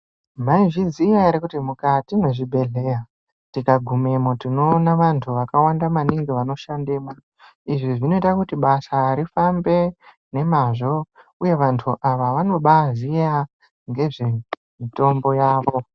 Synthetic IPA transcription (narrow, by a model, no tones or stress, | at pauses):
maiʐizijaiɾekutimukatine̞ʐibʱe̞ɮe̞ːja | tikaɡʱume̞motino̞ːnaʋantʰuʋakawandamaniŋɡiʋano̞ʃandeːma | iʐiʐino̞itakutiɓasaɾifambe̞ | ne̞maʐo̞ | uje̞ʋantʰuʔaʋaʋano̞ɓaʐija | ŋɡe̞ʐe̞ | mito̞mbo̞jaːʋo̞